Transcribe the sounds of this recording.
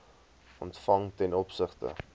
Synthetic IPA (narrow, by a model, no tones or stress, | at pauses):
ɔntfɐŋtɛnɔpsəχtə̰